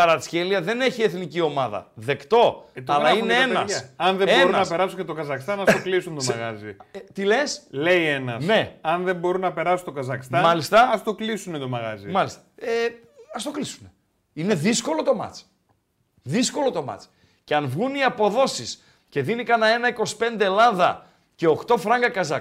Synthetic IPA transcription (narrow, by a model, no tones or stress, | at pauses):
ɐɾɐsçeliɐðe̞ne̞çie̞θnicio̞mɐðɐ̰ðe̞kt̪o̞t̪ɐlɐineeennɐsɐnðebeɾunɐnɐpe̞ɾɐsuet̪oɡɐzɐxist̪ɐnɐst̪oklisunt̪omɐɣɐzit̪ile̞sle̞ienɐsne̞ɐnðe̞mbo̞ɾunɐpe̞ɾɐsunt̪oɡɐzɐxst̪ɐmɐlist̪ɐɐst̪o̞klisunet̪omɐɣɐzimɐlist̪ɐ̥e | ɐst̪o̞klisune | ine̞ðisko̞lo̞t̪o̞mɐ̰t͡si̥ | ðisko̞lo̞t̪o̞mɐ̰t͡s | ce̞ɐnvɣuniɐpo̞ðo̞sis | ce̞ðinikɐnɐe̞nɐiko̞si̥pe̞nd̪e̞elɐðɐ̰ | ce̞oxt̪o̞fɾɐŋɡɐkɐzɐk